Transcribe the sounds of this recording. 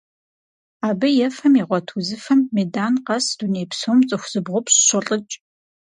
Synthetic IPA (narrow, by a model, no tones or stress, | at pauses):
aːbɨjɛfɐmiʁʷɔtʰuzɨfɐmːeːdaːnqɐsd̥uneːpsoːmt͡sʼɨxʷz̥ɨbʁʷʊpɕɕʷɨɬʼɨt͡ʃʼ